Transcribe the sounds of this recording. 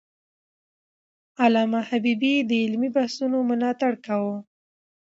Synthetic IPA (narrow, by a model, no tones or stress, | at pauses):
alɑmahabibid̪əɪlmibahsunomʊlɑt̪aɽkawo